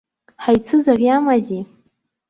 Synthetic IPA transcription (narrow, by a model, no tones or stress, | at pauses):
ħajt͡sʰɨzarjamazʲi